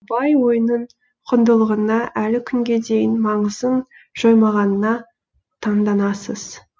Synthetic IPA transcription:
bɑjwo̞jənəɴ | qʰʊnd̪əlˠəʁənɑʔælɪkʲʰʏŋɡʲe̞d̪e̞jɪnmɑɴəzən | ʒ̥ojmɑʁɑnənɑ | t̪ʰɑɴd̪ɑnɑsəz̥

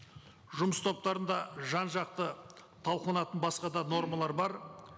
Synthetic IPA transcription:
ʒʊməst̪ʰo̞p̚t̪ɑɾənd̪ɑʒɑnʒɑq̚t̪ət̪ʰɑlˠqɑnɑt̪ənbɑsqɑd̪ɑno̞ɾmalˠɑɾbɑɾ

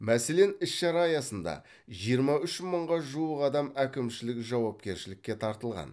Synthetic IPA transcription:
mæse̞le̞nɪsʃɑɾɑjɑsənd̪ɑ̰ | ʒijəɾmɑʏʃməɴʁɑʒuəqɑd̪ɑmækʲɪmʃɪlɪkʲʒɑwɑp̚kʲe̞ɾʃɪlɪkʲːe̞t̪ʰɑɾt̪əlˠʁɑ̰n

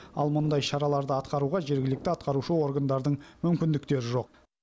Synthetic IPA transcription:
ɑ̰lˠmʊnd̪ɑjʃɑɾɑlˠɑɾd̪əɑt̪qɑɾuʁɑʒe̞ɾɡʲɪlɪk̚t̪ɪɑt̪qɑɾuʃəo̞ɾɡand̪ɑɾd̪əɴmʏmkʲɪnd̪ɪkt̪e̞ɾɪʒo̞q̚

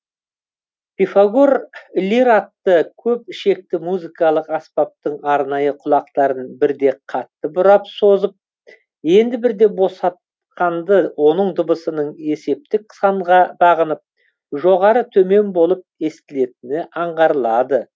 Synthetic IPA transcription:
pʲifaɡuɾlʲiɾɑt̪ːəkʲʰɵpɪʃe̞k̚t̪ɪmuzikɑlˠəqɑspɑp̚t̪əɴɑɾnɑjəqʰʊlˠɑqt̪ɑɾənbɪɾd̪e̞qʰɑt̪ːəbʊɾɑpso̞zəp̚ | je̞nd̪ɪbɪɾd̪e̞bo̞sɑt̪ | qɑnd̪əwo̞nəɴd̪ʊbəsənəɴe̞se̞p̚t̪ɪk̚sɑɴʁɑbɑʁənəp̚ | ʒo̞ʁɑɾət̪ʰɵme̞nbo̞lˠəp̚e̞st̪ɪle̞t̪ɪnɪʔɑɴʁɑɾəlˠɑd̪ə

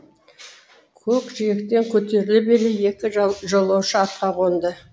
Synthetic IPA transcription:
kʲʰɵkʒijekt̪e̞ŋkʲʰɵt̪e̞ɾɪlɪbeɾɪje̞kʲɪʒolˠɑwʃəɑt̪qɑʁond̪ə

